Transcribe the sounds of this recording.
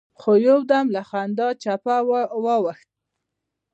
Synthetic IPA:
xojowd̪amlaxand̪ɑt͡ʃapawwɑwaxt̪̚

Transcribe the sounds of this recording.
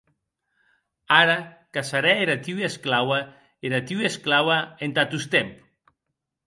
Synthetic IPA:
aɾa | kasaɾɛeɾat̪iwiesklawa | eɾat̪iwiesklawaent̪at̪ust̪emp

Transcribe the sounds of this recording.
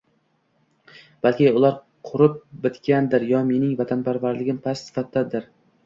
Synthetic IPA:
b̥alˠkʲɪʊlˠaɾ | qʰʊɾɪp̚bɪt̪kʲʰand̪ɪɾjɒme̞nɪŋvat̪ʰanpʰaɾvaɾlɪɡʲɪmpʰassɪ̥fat̪̚d̪ad̪ɪɾ

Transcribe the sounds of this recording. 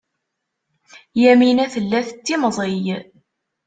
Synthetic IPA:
jæminæθəlːæθət͡sːimzˤɪj

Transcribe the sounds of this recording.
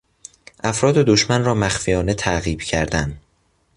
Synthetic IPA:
ʔæfɾɒːd̪e̞d̪oʃmænrɒːmæxfijɒːne̞t̪ʰæɣiːb̥cʰæɾd̪æn

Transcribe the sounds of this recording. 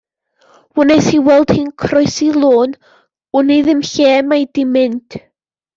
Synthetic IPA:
wʊnɛjshiwɛlˠd̥hinkʰrɔɨsilˠoːn | ʊniðɪmɬɛːmajdɪmɪntʰ

